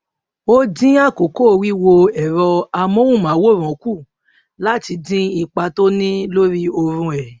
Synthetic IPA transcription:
o˦dĩ˦a˦˨ko˨ko˦˨wi˦wo˧ɛ˨ɾɔ˧a˧mɔ̃˦wũ˦˨mã˨˦wo˦˨ɾ̃ɔ̃˨˦ku˦˨ | la˦ti˧dĩ˦i˧k͡pa˧to˦nĩ˦lo˦ɾi˦o˧ɾũ˧ɛ˨

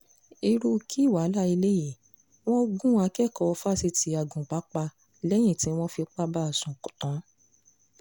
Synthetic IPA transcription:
i˧ɾu˧kʰi˦˨wa˨˦la˦i˧le˦ji˦˨ | w̃ɔ̃˦ɡũ˦a˧kɛ˦˨kɔ˧fa˦si˧tʰi˨˧˦a˨ɡũ˨k͡pa˨˦k͡pa˧ | lɛ˦j̃ĩ˦˨tĩ˦w̃ɔ̃˦fi˧k͡pa˦ba˦a˦˨sũ˨kɔ˨tã˨˦

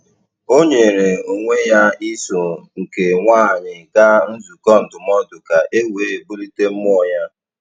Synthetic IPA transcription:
o˦ɲe˨ɾe˨u˨ŋʷe˦ja˦i˦so˨ŋ̩˨ke˨ŋʷaː˦˨ɲɪ˨ɡa˦n̩˦zu˨kɔ˦n̩˨dʊ˨mɔ˦dʊ˨ka˨ʔe˦we˦e˨bu˦li˦te˦m̩˦mʊ˦ɔ˨ja˦

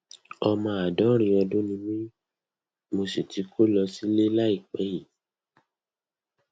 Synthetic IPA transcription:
ɔ˧mã˧a˨dɔ˨˦ɾ̃ĩ˧ɔ˧dõ˦nĩ˧mĩ˦ | mo˧se˨tʰi˨˦kʰo˦lɔ˧si˦le˦la˦i˦˨k͡pɛ˨˦ji˨

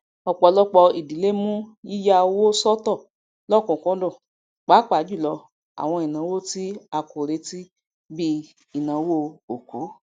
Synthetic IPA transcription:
ɔ˨k͡pɔ˨˧lɔ˦k͡pɔ˧i˨di˨˦le˦mũ˦ji˦ja˧wo˦sɔ˦tɔ˦˨ | lɔ˦˨kũ˨kɔ̃˦dɔ̃˦˨ | k͡pa˨˦k͡pa˨˦d͡ʒu˦˨lɔ˧ | a̰˨w̃ɔ̃˧i˨nã˨˦wo˦˨ti˦a˧˨ko˨ɾe˨˧˦ti˦ | bi˦ | i˨nã˨˦wo˦o˨ku˨˦

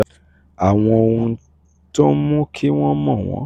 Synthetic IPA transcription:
a˨w̃ɔ̃˧o˧ũ˧˦ | tɔ˦mũ˦kʰi˦w̃ɔ̃˦mɔ̃˦˨w̃ɔ̰̃˨˦

